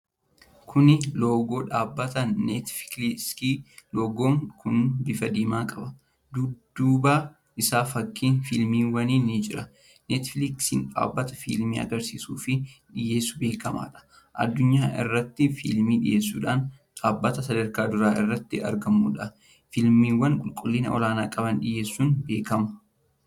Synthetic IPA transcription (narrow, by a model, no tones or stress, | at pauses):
kʰʊnɪloːɡo̞ːᶑaːbːɐt̪ɐnɛt̪fkskiːloːɡoːŋkʊnbɪfɐd̪iːmaːkʼɐbɐ | d̪ʊdd̪ːuːbaː | ʔɪsaːfɐkːiːnfɪlmiːwɐniːnːɪd͡ʒɪɾɐ | net̪fɪlɪksɪ̰nᶑa̰ːbːɐt̪ɐfɪ̰lmḭːɐ̰ɡɐɾsiːsuːfɪᶑɪje̞ːsːʊbe̞ːkɐma̰ːᶑɐ̥ | ʔɐ̰d̪ːʊɲːaːʔɪ̰rːɐt̪ːɪfɪ̰lmiːᶑɪ̰jʔe̞ːsːṵːᶑaːn | ᶑaːbːɐt̪ɐsɐd̪ɐɾkaːd̪ʊɾaːʔɪ̰rːɐt̪ːɪɐ̰ɾɡɐmːṵːᶑɐ | fɪlmiːwːɐnkʼʊlkʼʊlːiːnɐ̰ɔ̰laːna̰ːkʼɐbɐnᶑɪje̞ːsːuːnbe̞ːkɐmɐ̥